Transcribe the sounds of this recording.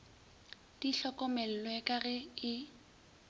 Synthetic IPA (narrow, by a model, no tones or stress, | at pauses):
d̥iɬɔkʼɔmɛl̩lwɛkʼaɣɛɪ